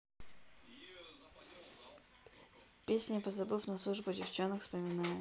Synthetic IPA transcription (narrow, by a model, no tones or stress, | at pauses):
pʲesʲnʲɪpəzɐbɨfnɐslˠuʐbʊdʲɪft͡ɕonɨxspəmʲɪnajɪ